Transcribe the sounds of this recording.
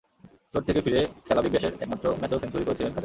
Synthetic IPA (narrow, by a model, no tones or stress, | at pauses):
t͡ɕoɾ̚t̪ʰekefiɾekʰɛlabibeʃeɾɛk̚mat̪ːɾomɛt͡ɕosensuɾikoɾet͡ɕʰilenkʰaɾe